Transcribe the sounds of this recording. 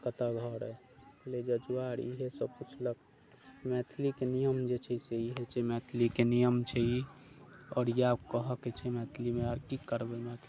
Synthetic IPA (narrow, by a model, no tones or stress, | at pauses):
kət̪aɡʱɔɾɛ | kəled͡ʒəd͡ʒuʋaɾḭɦesəbput͡ʃʰlək | mɛt̪ʰlikenijəmd͡ʒet͡ʃʰɛseiɦet͡ʃʰemɛt̪ʰlikenijəmt͡ʃʰɛi | ɔːɾjeapkəɦəket͡ʃʰɛmɛt̪ʰlimeaɾkikːəɾbemɛt̪ʰli